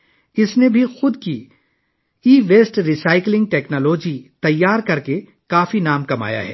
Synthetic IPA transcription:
ɪsnebʱixʊd̪ki | iːʋeːsʈɾisaːɪklɪ̃ŋɡ̚ʈɛːknoːloːd͡ʒit̪ɐjːaːɾkɐɾke | kaːfinaːmkɐma̰ːja̰ɦɛ̰ː

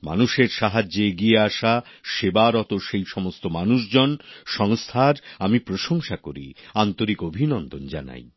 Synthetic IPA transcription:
ma̰nuʃeɾʃaɦad͡ʑːoeɡieaʃaʃebaɾɔt̪oʃejʃɔmost̪omanuʃd͡ʑonʃɔŋst̪ʰaɾamipɾoʃoŋʃakoɾḭant̪oɾikobʱinɔnd̪ond͡ʑana̰j

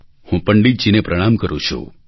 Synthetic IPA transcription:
hũpəɳɖid͡ʒinepɾəɽ̃amkəɾṵ̃t͡ʃʰṵ

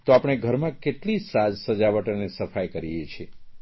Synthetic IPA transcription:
t̪oapɽ̃eɡʱəɾmãkeʈlisad͡ʒsəd͡ʒaʋəʈənesəfajkəɾijet͡ʃʰie

